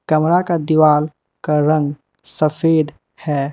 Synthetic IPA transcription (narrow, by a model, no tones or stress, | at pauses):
kɐmɾakad̪iwaːl | kaɾə̃ŋɡ | səfʰeːd̪ | hɛː